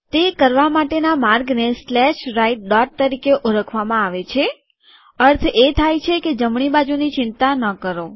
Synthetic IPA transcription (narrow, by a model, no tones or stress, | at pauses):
t̪ekəɾʋamaʈenamaɾɡneslɛʃɾaiʈ̚ɖɔʈ̚t̪əɾikeʔoɾəkʰʋamãaʋet͡ʃʰe | əɾt̪ʰet̪ʰajt͡ʃʰeked͡ʒəmɳibad͡ʒunit͡ʃɪnt̪anəkəɾo